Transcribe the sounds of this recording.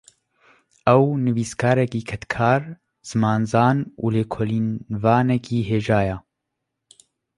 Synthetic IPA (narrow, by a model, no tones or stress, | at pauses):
ɛwnɨviːskʰaːɾɛkiːkʰɛt̪kʰaːɾ | z̥ɨmaːnzaːnṵːleːkʰoːliːnvaːnɛkiːɦeːʒaːja